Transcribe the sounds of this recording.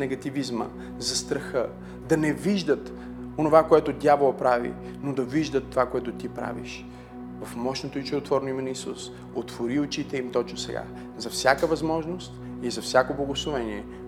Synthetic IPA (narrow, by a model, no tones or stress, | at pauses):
nɛɡɐt̪ivizmə̰ | zɐst̪ɾɐxə | d̪ɐnɛviʒd̪ət̪ | onovakoɛt̪ʊd̪ʲjavolˠɐpɾavḭ | nod̪ɐviʒd̪ət̪ːovakoɛt̪ʊt̪ipɾa̰vḭʃ | vɐfmɔʃnot̪oit͡ʃɛdot̪vɔɾnoimɛnɐisṵs | ot̪v̥oɾiʊt͡ʃit̪ɛimt̪ɔt͡ʃnosɛɡa̰ | zɐfsʲjakəvɐzmɔʒnost̪ | izɐfsʲakoblˠɐɡoslˠovɛniɛ